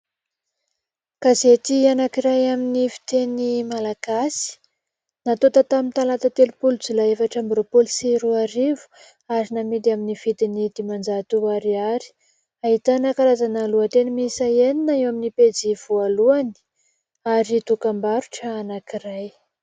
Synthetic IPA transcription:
kazet̪ianakiɾajaminifi̥t̪enimalaɡ̥asi̥ | nat̪ot̪at̪amint̪alat̪ət̪elupulud͡zulaefaʈ͡ʂambɾopolsiɾuaɾivu̥ | aɾinamid̪iaminiv̥it̪inid̪̥imand͡zat̪uaɾiaɾi̥ | ait̪anakaɾazanaluat̪enimisaeninaewaminiped͡ziv̥ualuani̥ | aɾit̪ukambaɾuʈ͡ʂəːnakiɾaj

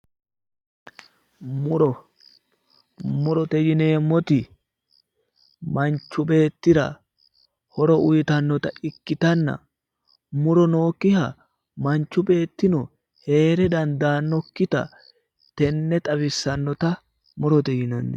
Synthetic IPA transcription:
mʊɾɔ | mʊɾɔt̪ɛjɪneːmːɔt̪ɪ | mɐnt͡ʃːʊbe̞ːt̪ːɪɾɐ̰ | hɔɾɔʊjt̪ɐnːɔt̪ɐʔɪkːɪt̪ɐnːɐ̰ | mʊɾɔno̞ːkːɪhɐ | mɐnt͡ʃːʊbe̞ːt̪ːɪnɔ | he̞ːɾɛd̪ɐnd̪aːnːɔkːɪt̪ɐ̰ | t̪ɛnːɛt̪ʼɐβɪsːɐnːɔt̪ɐ | mʊɾɔt̪ɛjɪnɔnːɛ

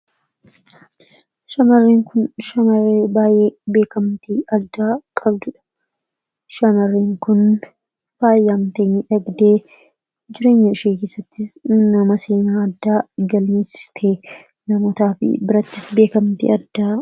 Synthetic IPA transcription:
ʃɐmɐrːiːŋkʊnʃɐmɐreːbaːjʔeːbe̞ːkɐmt̪iːʔɐd̪ːaːkʼɐbd̪ʊᶑɐ̥ | ʃɐmɐrːiːŋkʊn | faːjːaːmt̪eːɲːɪᶑɐɡd̪eː | d͡ʒɪɾe̞ːɲːɐɪʃeːke̞ːsːɐt̪ːɪsnɐmɐseːnaːɐd̪ːaːɡɐlmeːsɪ̥t̪ʰeː | nɐmoːt̪aːfɪ̰bɪɾɐt̪ːɪsbe̞ːkɐmt̪ḭːɐd̪ːaː

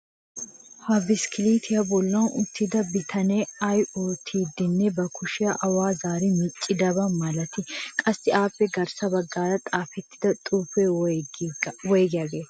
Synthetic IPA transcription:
hɐbɪskʰɪliːt̪ʰɪjɐbɔlːɐʊt̪ːɪd̪ɐbɪt̪ʰɐnɛɐjoːt̪ʰːiːd̪ɪnːɛbɐkʰʊʃɪjɐʔɐwaːzaːɾɪmɪt͡ʃʼːɪd̪ɐbɐmɐlɐt̪ɪkʼɐsːɪaːpːɛɡɐɾsɐbɐɡːaːɾɐt̪ʼaːfɛt̪ːɪd̪ɐt̪ʼuːfɛ | wɔjɡɪjaːɡeːɐ

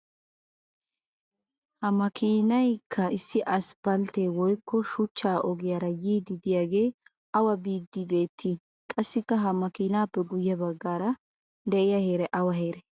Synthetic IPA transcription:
hɐmɐkʰiːnɐjkʰːɐɪsːɪʔɐsb̥ɐlt̪eːwɔjkːɔʃʊt͡ʃːaːʔɔɡɪjaːɾɐjiːd̪ɪd̪ɪjaːɡe̞ː | ɐwɐbiːd̪ːɪbe̞ːt̪ʰːiː | kʼɐsːɪkːɐɦɐmɐkiːnaːpːɛɡʊjːɐbɐɡːaːɾɐ | d̪ɛʔɪjɐhe̞ːɾɛʔɐwɐɦe̞ːɾɛ

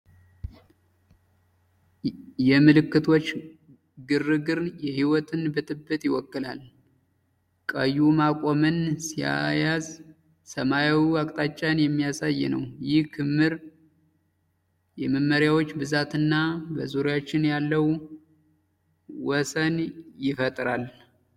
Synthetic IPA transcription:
jɛmɨlɨkːɨt̪ʰo̞t͡ʃː | ɡɨrːɨɡɨɾjɛhiwɔt̪ʰɨnbɨt̪ʼɨbːɨt̪jɪwɔkːɨla̰l | kʼəjːumakʼo̞mɨnsija̰jaz | səmajawiakʼt̪ʼat͡ʃʼːanjɛmːijasajːnə̰wjɪhkʰɨmːɨɾ | jɛməmːəɾjawot͡ʃːbɨzat̪ɨnːabəzuɾjat͡ʃːɪnjalːəw | wɔsənjɪfət̪ʼɾal

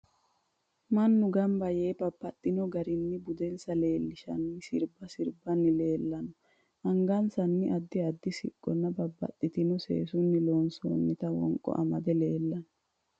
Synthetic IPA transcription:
mɐnːʊɡɐmbɐjeːbɐbːɐt̪ʼːɪnɔɡɐɾɪnːɪbʊd̪ɛnsɐle̞ːlːɪʃɐ̰nːɪsɪɾbɐsɪɾbɐnːɪle̞ːlːɐnɔ | ʔɐŋɡɐnsɐnːɪʔɐd̪ːɪɐd̪ːɪsɪkʼːɔnːɐbɐbːɐ̰t̪ʼːɪt̪ɪnɔsḛːsʊnːɪlo̞ːnso̰ːnːɪt̪ɐwɔ̰ŋkʼɔ̰ʔɐ̰mɐd̪ɛle̞ːlːɐnɔ

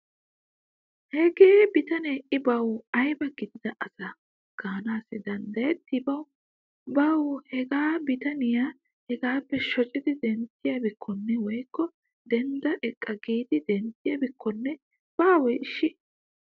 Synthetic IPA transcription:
hɛɡeːbɪt̪ɐneːʔɪbɐwɐjbɐɡɪd̪ɪd̪ɐʔɐsɐ | ɡ̥aːnaːsɪd̪ɐnd̪ɐjɛt̪ːɪbɐw | bɐwhɛɡaːbɪt̪ɐnɪjaː | hɛɡaːpːɛʃɔt͡ʃʼɪd̪ɪd̪ɛnt̪ːɪjɐbɪkʰːɔnːɛwɔjkːɔ | d̪ɛnd̪ɐʔɛkʼːɐɡiːd̪ɪd̪ɛnt̪ːɪjɐbɪkʰːɔnːɛ | b̥aːwɔjɪʃːɪ

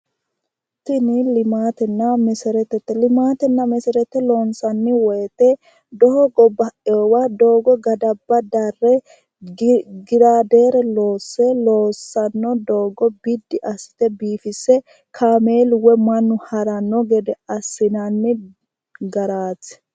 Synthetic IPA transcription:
t̪ɪnɪlɪmaːt̪ɛnːɐmɛsɛɾɛt̪ːɛt̪ːɛlɪmaːt̪ɛnːɐmɛsɛɾɛt̪ːɛloːnsɐnːɪwɔjɛt̪ɛ | d̪ɔhɔɡɔbɐʔoːwad̪o̞ːɡɔɡɐd̪ɐbːɐd̪ɐrːɛ | ɡɪɾaːd̪eːɾɛlo̞ːsːɛloːsːɐnːɔd̪oːɡɔbɪd̪ːɪʔɐsɪ̥t̪ɛbiːfɪsːɛ | kʰaːmeːlwɛmɐnːʊhɐɾɐnːɔɡɛd̪ɛɐsːɪnɐnːɪ | ɡɐɾaːt͡sː

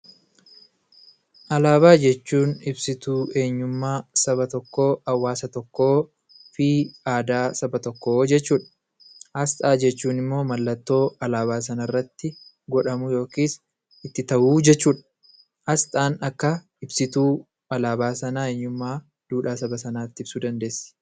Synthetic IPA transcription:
ʔɐlaːβaːd͡ʒɛt͡ʃːuːnɪbsɪt̪uːe̞ːɲːʊmːaːsɐbɐt̪ɔkːo̞ːɐwːaːsɐt̪ɔkːo̞ː | fiːaːd̪aːsɐbɐt̪ɔkːoːd͡ʒɛt͡ʃːuːᶑɐ̥ | ʔɐst̪ʼaːd͡ʒɛt͡ʃːuːnɪmːo̞ːmɐlːɐt̪ːo̞ːɐlaːbaːs̬ɐnɐɪrːɐt̪ːɪ | ɡɔᶑɐmʊjo̞ːkiːs | ɪt̪ːɪt̪ɐʔuːd͡ʒɛt͡ʃːuːᶑɐ̥ | ʔɐst̪ʼaːnɐkːɐ | ɪbsɪt̪uː | ʔɐlaːbaːsɐnaːeːɲːʊmːaː | d̪̥uːᶑaːsɐbɐsɐnaːt̪ːɪɪbsuːd̪ɐnd̪e̞ːsː

